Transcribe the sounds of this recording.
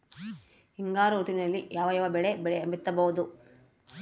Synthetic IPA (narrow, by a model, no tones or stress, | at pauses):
hiŋɡaːɾɐut̪inɐlːijaːʋɐjɐʋɐbɛɭebɛɭeɐmbit̪ːɐbɐʋud̪u